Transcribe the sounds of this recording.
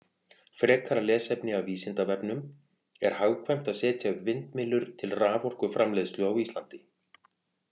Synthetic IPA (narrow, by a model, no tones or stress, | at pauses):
fɾɛːkaɾalɛːsɛpnɪawviːsɪnt̪avɛpnʏm | ɛɾ̥haːwkʰvɛjm̥t̪aðsɛːt̪jaʏpvɪnt̪mɪlːʏɾ̥t̪ʰɪlraːvɔr̥kʏfɾamlɛːðst̪lʏawiːst̪lant̪ɪ̥